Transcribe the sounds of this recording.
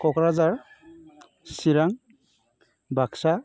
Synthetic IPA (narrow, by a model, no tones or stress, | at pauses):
kɔkɾazaɾ | siɾaŋ | bʱaksa